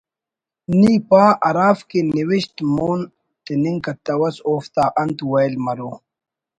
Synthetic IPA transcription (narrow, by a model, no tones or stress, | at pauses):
niːpaːʔɐɾaːfkeniwiɕt̪moːn | t̪iniŋkɐt̪ɐwɐsoːft̪aːʔɐnt̪wɐjlmɐɾoː